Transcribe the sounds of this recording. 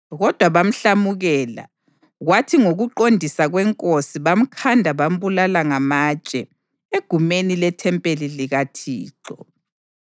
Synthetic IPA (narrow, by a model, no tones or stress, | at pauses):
ɣɔd̥ʱwaβam̩ɬamuɣɛːla̰ | ɣwatʰiŋoɣuǃondʱisaɣwɛŋkʼosiβam̩kʰandʱaβam̩βulalaŋamat͡ʃʼɛ | eɡ̥ʱumenilɛtʰɛmpʼeliliɣatʰiːǃɔ̰